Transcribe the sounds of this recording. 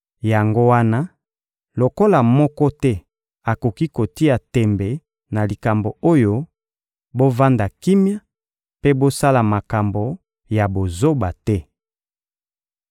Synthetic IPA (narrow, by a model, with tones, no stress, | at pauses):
ja˨ŋɡo˦wa˦na˦ | lo˨ko˦la˨mɔ˦kɔ˦tɛ˦ | a˨ko˨ki˦ko˨ti˦a˨tɛ˨mbɛ˨ | na˨li˨ka˨mbo˨o˦jo˦ | bo˦va˦nda˨ki˦mja˦ | pe˦bo˦sa˦la˨ma˨ka˨mbo˨ | ja˨bo˨zo˦ba˨tɛ˦